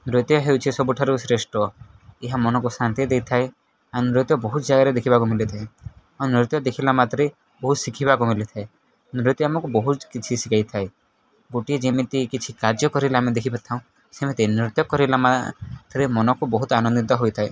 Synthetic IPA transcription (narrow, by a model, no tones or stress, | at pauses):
nɾot̪jɔɦewt͡ʃʰisɔbuʈʰaɾusɾesʈɔ | eɦamɔnɔkusant̪id̪ejt̪ʰaj | anɾot̪jɔbɔɦut̪d͡ʒaɡaɾed̪ekʰibakumilet̪ʰae | anɾit̪jɔd̪ekʰilamat̪ɾe | bɔɦut̪sikʰiβakumilit̪ʰae | nɾit̪jɔamɔkubɔɦut̪kit͡ʃʰisikajt̪ʰaj | ɡoʈied͡ʒemit̪ikit͡ʃʰikaɾd͡ʒjɔkɔɾilaamed̪ekʰibat̪ʰaw̃ | semet̪enɾut̪jɔkɔɾilamat̪ɾemɔnɔkubɔɦut̪anɔnd̪it̪ɔɦojt̪ʰaj